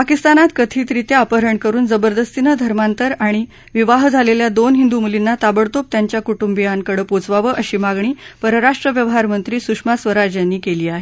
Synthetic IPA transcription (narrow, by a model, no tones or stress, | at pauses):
pakist̪anat̪kət̪ʰiːt̪ɾit̪eapəɾəɳkəɾuːnd͡zəbəɾd̪əst̪inəd̪ʱəɾmant̪əɾaɽ̃i | ʋiʋaɦd͡zʱaleljad̪onɦind̪umulinːat̪abəɽt̪op̚t̪jaɲt͡ɕjakuʈumbijaŋkəɽəːpot͡sʋaʋəʔəɕiːmaɡɳ̃iːpəɾəɾaʂʈɾəʋjəʋɦaɾmənt̪ɾiːsukʂmasʋəɾad͡ʑjanːiːkeliːaɦe